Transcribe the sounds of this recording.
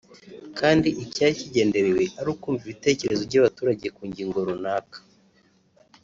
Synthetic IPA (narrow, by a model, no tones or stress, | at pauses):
kʰaːndiʔicjaɾiciɟe̞ːnde̞ɾewe̞ʔaɾuːkuːɱviβite̞ːce̞ɾe̞zoβɟaβatuːɾaɟe̞kuːɲɟiːŋɡo̞ɾunaːkḁ